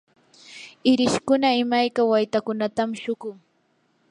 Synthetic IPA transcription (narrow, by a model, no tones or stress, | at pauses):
ɪɾɪʃkʊnaɪmajkawajt̪akʊnat̪amʃʊɢʊŋ